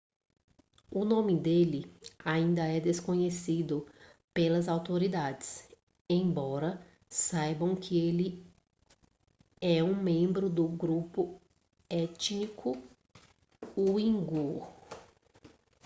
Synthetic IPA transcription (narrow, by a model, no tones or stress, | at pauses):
ʊnõmɪd̪elɪaĩnd̪ɐɛd̪eskõɲesid̪ʊ | pelɐzawt̪oɾid̪ad͡ʒɪs | ẽj̃bɔɾɐ | sajbɐ̃w̃kʰɪelɪ | ɛũmẽmbɾʊd̪ʊɡɾupʊ | ɛt͡ʃnikʰʊ | uĩɡo